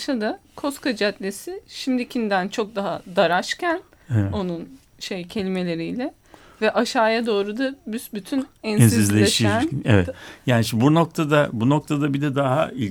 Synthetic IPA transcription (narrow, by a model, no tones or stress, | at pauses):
ʃad̪akʰo̞skʰad͡ʒat̪lʲesɪʃimd̪icʰind̪ænt͡ʃʰo̞k̚d̪aɦad̪aɾaʃcʰæn | o̞nun | ʃejcʰe̞lʲime̞lʲe̞ɾijlʲɛ | vɛʔaʃaːjad̪o̞ːɾud̪abysbyt̪ʰynɛnɛsnsiizlʲeeʃiænɛvɛt̪jaːniʃmbuno̞k̚t̪ʰad̪abunok̚t̪ʰad̪abid̪ʲɛd̪aɦailʲ